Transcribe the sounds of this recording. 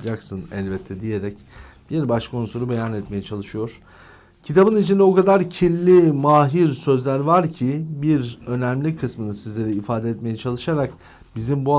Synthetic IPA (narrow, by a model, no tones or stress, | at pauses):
d͡ʒaksɯnɛ̰lʲbɛt̪ʰːɛd̪ije̞ɾɛc | b̥iɾbaʃkʰo̞nsuɾube̞janɛt̪me̞jɛt͡ʃʰalˠɯʃɯjo̞ɾ̥ | cʰit̪ʰabɯnit͡ʃʰind̪ɛo̞kad̪aɾcʰilːʲimaːɦiɾsø̞zlʲæɾvaɾcʰibiɾø̞næmlʲikʰɯsmɯnɯsizlʲe̞ɾiːfaːd̪ɛɛt̪me̞jɛt͡ʃʰalˠɯʃaɾak | bizimbua